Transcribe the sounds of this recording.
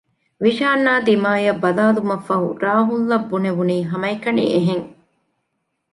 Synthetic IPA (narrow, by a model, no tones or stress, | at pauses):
ʋiʃaːnːaːd̪imaːjɐbːɐlaːlumɐfːɐɦṵɾaːɦulːɐbːuneʋuniːɦɐmɐjkɐnḭeɦeŋ